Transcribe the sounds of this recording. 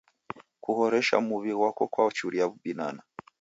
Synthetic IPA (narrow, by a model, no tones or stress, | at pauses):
kuhoɾeʃa̰muβiɾwakokwat͡ʃuɾijaβubina̰na